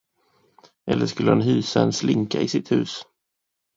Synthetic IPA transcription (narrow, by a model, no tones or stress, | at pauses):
ʔɛlːəʂkɵlːəhanɦyːsaɛnslɪŋkaɪsɪt̪hʉ̟ːs